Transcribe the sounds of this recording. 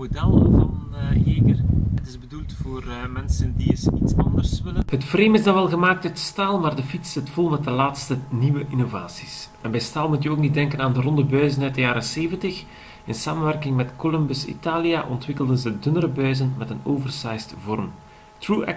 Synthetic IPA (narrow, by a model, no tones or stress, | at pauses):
modɛlˠvɑnɦeːkərɦətɪzbədulˠtfoːrmɛnsəndiəsitsɑ̰ndərsʋɪləhətfreːmɪzdɑʋɛlˠɣəmaːk̚tœtstaːlˠmaːrdəfitsz̥ɪtfɔlˠmɛt̚dəlaːtstəniʋəʔinovaːsi̥sɛnbɛjstaːlˠmutjəoːknit̚dɛŋkənaːndərɔndəbœɥzənœtdəjaːɾəseːvəntəx | ɪnsaːmənʋɛrkɪŋmɛtkolɔmbəsḭtaːlijaʔɔntʋɪkəlˠdənzədɵnəɾəbœɥzənmɛtənoːvərsajstvɔrm | truːɛ